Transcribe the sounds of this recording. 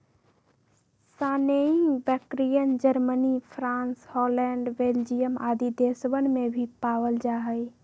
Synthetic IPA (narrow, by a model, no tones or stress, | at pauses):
saːneĩbɛkɾijənd͡ʒəɾmənipʰɾãːnshɔlɛɳɖbeld͡ʒijəma̰ːd̪id̪esbənmebʱipaʋəld͡ʒaːɦəj